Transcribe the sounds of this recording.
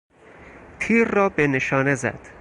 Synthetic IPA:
t̪ʰiːɾːɒːbene̞ʃɒːne̞zæ̰d̪̥

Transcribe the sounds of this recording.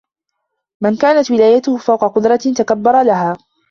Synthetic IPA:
mɪnkaːnat̪wɪlaːjat̪ʊhʊfawqɑqʊd̪ɾˤɑt̪akabːɑɾˤɑlaɦaː

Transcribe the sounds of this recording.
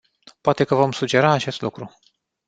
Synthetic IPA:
poat̪e̞kəvo̞msud͡ʒe̞ɾaːt͡ʃe̞st̪lukɾu

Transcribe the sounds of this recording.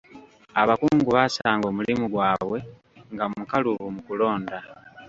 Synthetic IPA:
aβakuːŋɡuβasaːŋɡo̞ːmulimuɡwaːβwe̞ | ŋɡaukaluβumukulo̞ːnda

